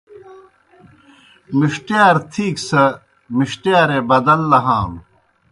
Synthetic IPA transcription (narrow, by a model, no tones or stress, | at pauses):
miʂʈijaːɾt̪ʰiːksɐ | miɕʈjaːɾebɐd̪ɐlːɐɦaːm